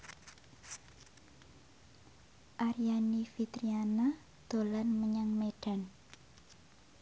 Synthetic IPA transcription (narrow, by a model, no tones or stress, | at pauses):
ʔaɾijanifit̪ɾiana | d̪̥o̤lanməɲaŋmeɖ̥a̤n